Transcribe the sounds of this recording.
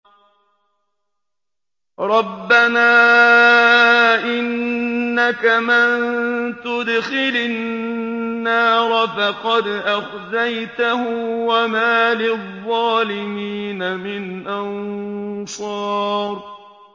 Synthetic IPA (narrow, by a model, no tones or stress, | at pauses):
ɾˤɑbːanaː | ʔɪnːakamɪnt̪ʊd̪xɪlɪ | aːɾˤɑfaqɑd̪ʔax | zajt̪ahʊwamaːlɪðˤːɑːlɪmiːnamɪnʔan | sˤɑːɾ